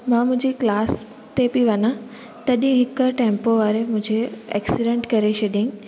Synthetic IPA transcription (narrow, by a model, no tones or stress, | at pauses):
mãːmʊ̃ɪ̃ɲd͡ʑiklaːs | t̪ebiʋɐnã | t̪ɐɗ̃ɦɪkəʈẽːmpoʋaːɾemʊ̃ɦɪ̃ɲd͡ʑeḛːksɪɖẽɳʈkɐɾet͡ɕʰɐɗĩ